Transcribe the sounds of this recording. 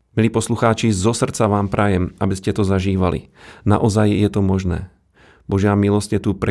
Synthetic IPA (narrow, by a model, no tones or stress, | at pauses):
miliːpɔsluxaːt͡ʃizɔsr̩t͡saʋaːmpɾʔajɛmʔabiscɛt̪ɔzaʒiːʋalḭna̰ʔɔzajjɛt̪ɔmɔʒnɛ̰ː | bɔʒɪamilɔscɛt̪upɾɛ